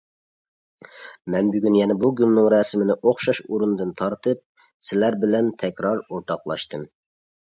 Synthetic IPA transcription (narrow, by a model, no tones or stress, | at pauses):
mɛnbyɡʲynjɛnɛbuɡʲylnɨŋɾɑːsɪmɪnɪʔoχʃɑʃuɾunɨd̪ɨnt̪ʰɑɾt̪ʰɨp̚ | sɪlæɾbɪlɛnt̪ʰɛkʲɾɑɾoɾt̪ʰɑqlˠɑ̰ʃt̪ʰɨm